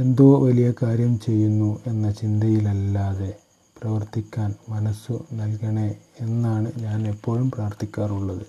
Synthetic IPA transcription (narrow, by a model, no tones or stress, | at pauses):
e̞nd̪oːʋɐlijɐkaːɾjɐmt͡ɕe̞jːunːue̞nːɐt͡ɕind̪ʱɐjilɐlːaːðe̞ | prɐʋɐrt̪ikʲːaːnmɐnɐsːunɐlkɐɳeenːaːɳɨɲaːne̞pːo̞ːɻumpraːrt̪ikʲːaːruɭːɐðɨ